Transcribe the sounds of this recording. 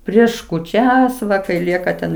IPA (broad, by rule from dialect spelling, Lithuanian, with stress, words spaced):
ˈpʲrʲiɛʃ kuːˈt͡ʃʲɛs ˈʋɐ kɐɪ ˈlʲiɛkɐ tʲɛn